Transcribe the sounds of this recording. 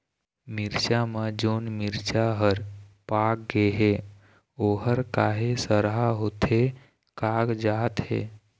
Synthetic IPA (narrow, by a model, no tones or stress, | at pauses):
miɾt͡ʃaməd͡ʒoːnmiɾt͡ʃaɦəɾpak̚ɡeɦe | oɦəɾkaɦesəɾɦaɦot̪ʰe | kaːɡd͡ʒaːt̪ɦḛ